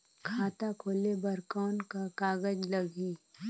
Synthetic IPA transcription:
kʰaːt̪akʰoːlebəɾkɔːnkakaːɡəd͡ʒləɡi

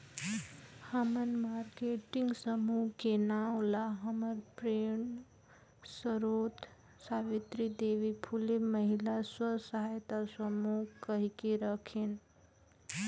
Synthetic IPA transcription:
həmənmaːɾkeʈɪŋɡsəmukenaw̃laɦəməɾpɾeɳ | səɾoːt̪ | saːʋit̪ɾid̪eʋipʰuliməɦilaswəsəɦajt̪asəmukəɦikeɾəkʰin

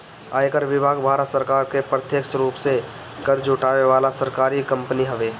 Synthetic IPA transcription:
aːjkəɾʋɪbʱaːɡbʱaːɾət̪səɾkaːɾkepɾət̪jeksɾuːpse | kəɾd͡ʒuʈaːʋeʋaːlasəɾkaːɾikə̃mpniɦəʋeː

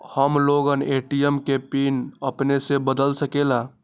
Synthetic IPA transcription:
həmloɡəneʈijəmkepinəpnesebəd̪əlsəkela

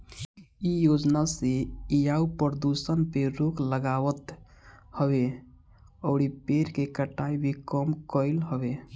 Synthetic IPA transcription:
ijod͡ʒnaseijaupəɾəd̪usənpeɾokləɡaʋət̪ | həbe | əʊɽipeɾkekəʈːaibʱikəmkəlɦəbe

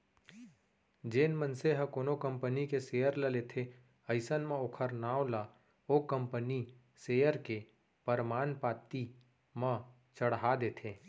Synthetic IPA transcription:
d͡ʒeːnmənseɦə̃koːnokə̃mpənikeseːjəɾləlet̪ʰe | əɪsənmẽoːkʰəɾnaːola | okə̃mpəni | seːjəɾke | pəɾmaːnpaːt̪i | mə̃ | t͡ʃəɽɦad̪eːt̪ʰeː

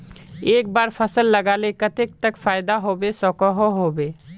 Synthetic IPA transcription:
eːkbaːɾpʰəsəlːɐɡaːlekət̪ek̚t̪əkfʰaːɪd̪aɦoːbesɔːkəɦoɦoːbeː

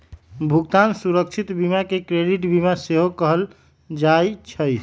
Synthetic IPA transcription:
bʱukt̪ansuɾək̚t͡ʃʰit̪bimakekɾeɖiʈbimaseɦokəɦəl | d͡ʒajt͡ʃʰəj

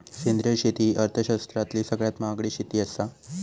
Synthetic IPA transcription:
kend̪ɾəɕet̪iːʔəɾt̪ʰəɕast̪ɾat̪liːsəɡɭjat̪maɡɽiːɕit̪iːəst̪a

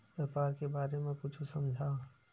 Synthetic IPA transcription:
ʋjeːpaːɾkebaːɾemẽkʊt͡ʃʰusəmd͡ʒʱa

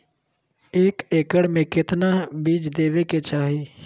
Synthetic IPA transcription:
eːkeːkəɽmẽkɪt̪nabiːd͡ʒd̪eːʋeket͡ʃaːɦi

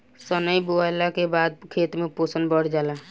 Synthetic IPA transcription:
sənəjboalakebaːd̪̚kʰeːt̪mẽpoːsənbəɽ̤d͡ʒaːla

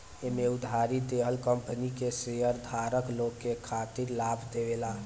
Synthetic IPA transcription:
emeud̪ʱaɾid̪eɦəlkəmpənikesejəɾd̪ʱaɾəklokːekʰat̪iɾlabʱd̪eʋela

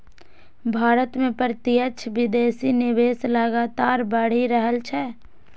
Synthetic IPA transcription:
bʱaːɾət̪mẽpɾt̪iət͡ʃʰʋɪd̪eːsinɪʋeːsləɡaːt̪aːɾbəɽ̤iɾəɦəlt͡ʃʰɛ

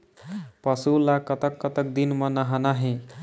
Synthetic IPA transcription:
pʌsulakət̪əkːət̪ək̚d̪inmʌnəɦanaɦẽ

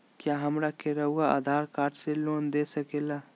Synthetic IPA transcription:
kjaːɦɐmɾakeɾɐɦuɡaa̰d̪ʱaːɾkaːɾʈseloːnd̪eːsəkeːla

